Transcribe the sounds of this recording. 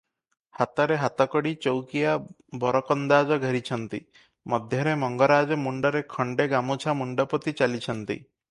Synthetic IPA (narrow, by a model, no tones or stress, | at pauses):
hat̪ɔɾeɦat̪ɔkɔɽit͡ʃowkija | bɔɾɔkɔnd̪ad͡ʒɔɡʱəɾit͡ʃʰɔnt̪ḭ | mɔd̪ʱjɔɾemɔŋɡɔɾad͡ʒɔmuɳɖɔɾekʰɔɳɖeɡamut͡ʃʰamuɳɖɔpɔt̪it͡ʃalit͡ʃʰɔnt̪ḭ